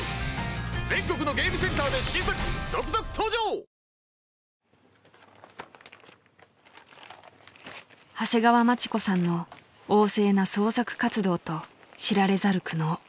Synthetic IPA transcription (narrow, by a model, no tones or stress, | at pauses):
d͡zẽ̞ŋko̞k̬ɯ̟no̞ɡe̞ːmɯ̟sẽ̞nt̪aːd̪e̞ɕĩmpaɾiijokɯzokɯ̟̥t̪ʰoːd͡ʑo̞ː | hase̞ɡaβamat͡ɕi̥ko̞sãnːo̞ | oːse̞ːnaso̞ːsakɯ̟̥kat͡sɨd̪o̞ːt̪o̞ɕiɾaɾe̞zaɾɯ̟kɯ̟no̞ː